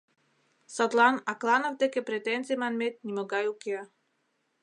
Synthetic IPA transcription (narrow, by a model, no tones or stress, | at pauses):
sɔt̪lˠanaklˠanavt̪ekepɾet̪ɛnt͡s̪imanmet̪̚nʲimoɡajukea